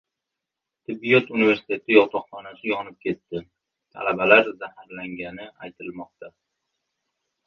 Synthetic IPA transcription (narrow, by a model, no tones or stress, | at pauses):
t̪ʰɪbːijɒt̪unive̞ɾsɪ̥t̪ʰe̞t̪ʰɪjɒt̪ʰɒqχɒnasɪjɒnɪp̚kʲʰe̞t̪ːɪ | t̪ʰa̰labalaɾzahaɾlaŋɡʲanɪa̰jt̪ʰɪlmɒq̚t̪ʰa